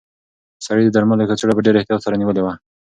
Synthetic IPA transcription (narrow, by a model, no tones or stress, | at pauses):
saɽid̪əd̪aɾmalokat͡seɽabəɖeɾeht̪ijɑt̪saɾaniwəlewa